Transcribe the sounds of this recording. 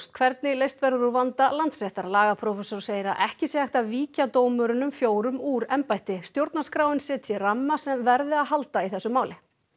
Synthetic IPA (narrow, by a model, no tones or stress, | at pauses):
st̪̚kʰvɛɾt̪̚nɪlejst̪vɛɾðʏɾuvant̪alant̪sɛht̪aɾlaːɣapʰɾɔfɛsoɾ̥seːjɪɾa̰ʔɛhcɪsjɛhajht̪aðviːcat̪oːwmʏɾɪnʏmfjoːwɾʏmuːɾɛmpajt̪ɪst̪jowɾt̪naskɾaːwɪnsɛt̪sɛramːasɛmvɛɾðɪaðɦalt̪aiθɛsːʏmaːwlɪ